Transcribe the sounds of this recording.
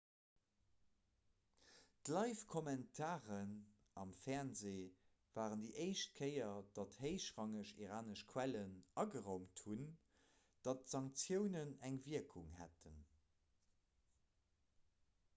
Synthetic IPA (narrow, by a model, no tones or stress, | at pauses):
d̥lɑɪfkʰomæntʰaːʁən | ɑmfɛɐnzeː | vaːʁəndiʔəɪʃt̚kʰəɪɐd̥ɑtheɪʃʁɑŋəʃiʁaːnəʃkʰwælənɑɡəʁoʊmthun | d̥ɑtz̥ɑŋkt͡sjəʊnənæŋviəkʰuŋhæ̰tʰən